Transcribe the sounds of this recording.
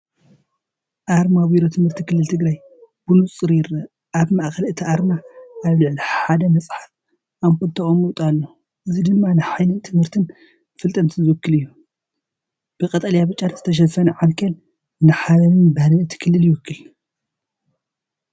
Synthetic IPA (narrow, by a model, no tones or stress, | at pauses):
ʔaɾmawiɾot̪ʰɨmhɨɾt̪ʰikʰɨlːɨlt̪ʰɨɡɾaj | b̥unut͡sʼɨɾjɪɾɐ | ʔaβmaʔxɐlɨt̪ʰiʔaɾmaʔaβlɨʕliħad̪ɐmɐsʼħaf | ʔamkolt̪ʰɐχʼomuwt̪ʼalːo | ʔɨzid̪ɨnːanɨħajlɨnt̪ʰɨmhɨɾt̪ʰɨn | fɨlt̪ʼɐnt̪ʰizɨwʊkːɨlɨjːu | b̥ɨkʼɐt̪ʼɐljaβɨt͡ʃʼːat̪zɨ̥t̪ʰɐʃ̬ɐfɐnʕankʰɐl | nɨħalɐmɨnbɐhlɨɨt̪ʰi̥kʰɨlːɨljɪwʊkʰːɨl